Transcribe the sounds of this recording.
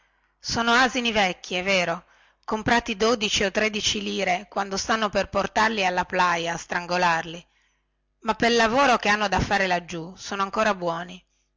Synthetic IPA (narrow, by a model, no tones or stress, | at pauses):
soːnoaːzinivɛkːiɛvːeːɾo | kompɾaːt̪id̪od̪it͡ʃiot̪ːɾed̪it͡ʃiliːɾekwand̪ost̪anːoperport̪arlialːaplajaːst̪ɾaŋɡolarli | mapːelːavoːɾokeanːod̪afːaːɾelad͡ʒːusoːnoaŋkoːɾabwɔːni